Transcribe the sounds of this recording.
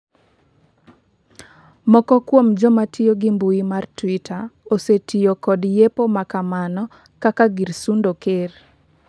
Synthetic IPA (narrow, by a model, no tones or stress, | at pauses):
mɔkɔkwomd͡ʒɔmatʰɪjoɡimbuimartwitʰaosetijokɔdjepomakamanɔ | kakaɡirsundoker